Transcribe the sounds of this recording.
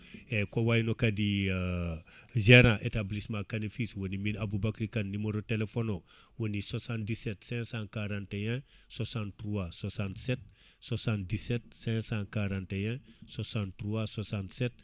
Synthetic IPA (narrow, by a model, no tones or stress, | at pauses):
ekowajnokadi | ʒeɾãʔetablismãkanifiswoniminabubakɾikanːimeɾotelefono | woniswasãntdisetsɛ̃sãkaɾãnteɛ̃ | swasãntɾuwaswasãntsɛt̚ | swasãnt̚diset̚sɛ̃sãkaɾãnteɛ̃swasãntɾuwaswasãntset̚